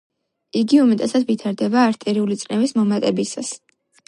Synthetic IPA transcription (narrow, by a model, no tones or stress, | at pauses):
iɡiumɛt̪ʼɛsad̪vit̪ʰaɾd̪ɛbaːɾt̪ʼɛɾiulit̪sʼnɛvismɔmat̪ʼɛbisa̰s